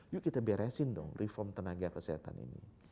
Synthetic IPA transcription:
juʔkit̪abeɾasɪndɔ̰ŋrʔifɔrmt̪ənaɡakəsiɦat̪a̰nḭnḭ

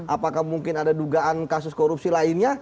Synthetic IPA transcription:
ʔapakahmuŋkɪnadaduɡaʔankasʊskoɾup̚silaɪnɲa

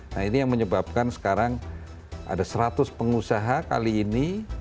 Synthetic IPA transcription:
nainijaŋməɲəbap̚kansə̥kaɾaŋ | ʔa̰dasəɾat̪ʊspəŋusaɦaka̰liːni

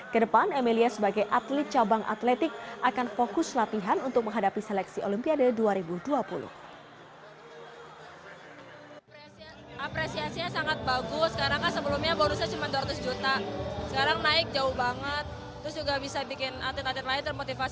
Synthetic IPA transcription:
kədəpanemeliasəbaɡajʔat̪lɪt̪̚t͡ʃabaŋʔa̰t̪lɛt̪ɪk̚ʔakanfokʊslat̪iɦanunt̪ʊk̚məŋɦadapiselɛksiʔolimpiadaduaɾibuduapulʊ̰h | apɾesiasiɲasaŋat̪̚baɡʊsə̥kaɾaŋasəbəlumɲabaɾusɲat͡ʃumanduaɾat̪ʊsd͡ʒut̪asə̥kaɾaŋnaɪk̚d͡ʒaʊhbaŋət̪ː | ɾʊsd͡ʒuɡabisabikɪnat̪lɪt̪at̪lɪt̪̚laɪnt̪ərmot̪ifa

